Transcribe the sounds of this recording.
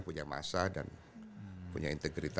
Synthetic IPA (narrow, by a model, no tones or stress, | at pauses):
puɲama̰sada̰n | puɲaint̪eɡɾit̪